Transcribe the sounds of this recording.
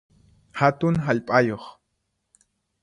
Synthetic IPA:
hat̪ʊŋɦaʎpʼajoχ

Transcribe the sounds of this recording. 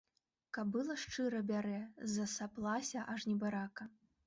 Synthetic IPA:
kɐb̚bɨlˠɐʂt͡ʂɨɾɐbʲaɾɛzɐsaplˠasʲɐʔɐʐnʲɛbaɾakɐ

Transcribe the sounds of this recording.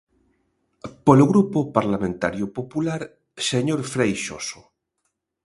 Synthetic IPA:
poloɣɾupopaɾlamẽnt̪a̰ɾjopopulaɾ | seɲoɾfɾejʃo̰so

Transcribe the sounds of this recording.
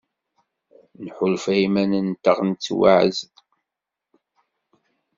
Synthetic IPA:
nħʊlfæimænənt̪əʁnt͡sːwaʕ̰zd

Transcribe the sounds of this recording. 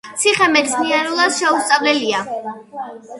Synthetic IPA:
t̪sʰiχɛmɛt̪smiɛɾulˠasʃɛust̪sʼavlɛlia

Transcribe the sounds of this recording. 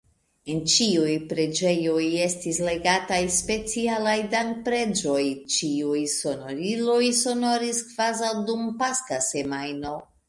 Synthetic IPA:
e̞nt͡ʃiujpɾe̞d͡ʒe̞jo̞je̞stisle̞ɡatajspe̞t͡sialajdaŋkpɾe̞d͡ʒo̞jt͡ʃiujso̞noɾilo̞jso̞no̞ɾiskv̥azawdumpaskase̞majno̞

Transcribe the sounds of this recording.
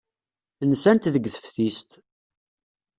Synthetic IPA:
nsænt̪ðəɡθə̥fθist̪

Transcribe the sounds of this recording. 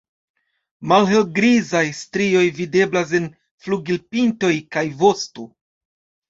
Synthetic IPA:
malɦe̞lɡɾizajstɾio̞jvide̞blas̬e̞n | fluɡilpinto̞jkajvo̞sto

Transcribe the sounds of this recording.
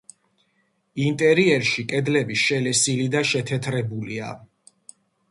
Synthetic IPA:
int̪ʼɛɾiɛɾʃikʼɛd̪lɛbiʃɛlɛsilid̪aʃɛt̪ʰɛt̪ʰɾɛbulia̰

